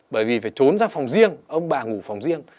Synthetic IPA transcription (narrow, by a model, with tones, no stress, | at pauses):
ɓəː˧˩jvi˨˩faː˧˩jt͡ɕo˨˦nzaː˧fa˨˩wŋ͡mzi˧əŋʔə˧wŋ͡mɓaː˨˩ŋu˧˩fa˨˩wŋ͡mzi˧əŋ